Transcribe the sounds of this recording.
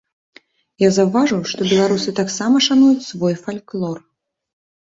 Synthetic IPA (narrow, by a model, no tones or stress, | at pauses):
jazawvaʐɨwʂt̪ɔbʲɛlˠaɾusɨt̪aksamɐʂanujut͡sʲsvɔjfalʲklˠɔr